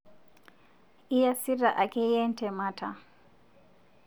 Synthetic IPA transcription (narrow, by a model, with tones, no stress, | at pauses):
i˦ja˦si˦ɾa˨ʔa˨kɛ˦jɛ˦n˦tʰɛ˨ma˦tʰa˨